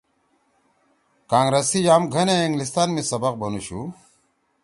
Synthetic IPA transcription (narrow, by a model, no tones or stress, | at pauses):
kãːŋɡɾɐsijaːmɡʱɐneiŋɡlis̬t̪aːnmisɐbɐq̚bɐnuɕu